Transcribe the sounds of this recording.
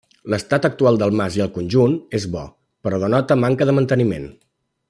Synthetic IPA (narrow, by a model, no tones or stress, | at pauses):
ləst̪at̪ək̚t̪ualˠd̪əlˠmaziəlˠkunʲʒunezβɔ | pəɾɔðənɔt̪əmaŋkəðəmənt̪ənimḛn